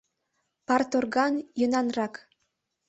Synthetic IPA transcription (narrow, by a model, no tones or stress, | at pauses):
pɑrt̪orɣɑnjənɑnrɑk